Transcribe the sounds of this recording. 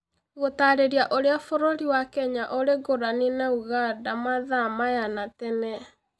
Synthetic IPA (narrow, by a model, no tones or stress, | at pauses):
ɣotaːɾeɾiaʔoɾeafoɾoɾiwakɛɲaʔoɾeɡoɾanenauɣadamaðamajanatɛnɛ